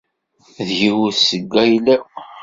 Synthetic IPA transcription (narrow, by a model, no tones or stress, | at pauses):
ðjiwsəɡːæjlæ